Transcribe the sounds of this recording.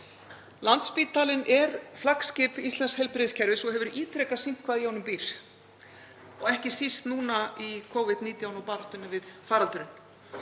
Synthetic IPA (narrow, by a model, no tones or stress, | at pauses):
lant̪spiːt̪aːlɪnʔɛɾflakscɪːpist̪ɛnshɛjlpɾɪðscʰɛɾvɪsɔɣhɦɛvʏɾiːt̪ɾɛkasim̥kʰvaðjaːwnʏmpiːɾ̥ | ɔɣɛhcɪsist̪nuːnaikʰowvɪd̪niːt̪jawnɔwpaɾt̪ʏnɪvɪðfaːɾalt̪ʏɾʏn